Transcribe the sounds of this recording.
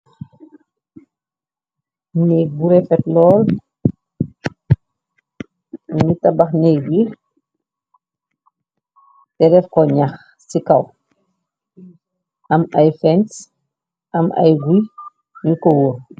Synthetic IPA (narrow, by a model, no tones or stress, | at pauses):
nɛbuɾɛfɛtlɔːl | nitabaxnɛɡi | tɛɾɛfkɔɲax | sikaw | ʔɐmajfɛns | ʔɐmʔa̰jɡwi | ɲukɔwo